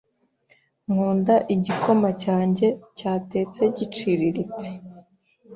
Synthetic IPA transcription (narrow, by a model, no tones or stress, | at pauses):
ŋ̥uːndaʔiɟiko̞macaːɲɟe̞caːte̞ːt͡se̞ɟit͡ʃiɾiɾit͡se̥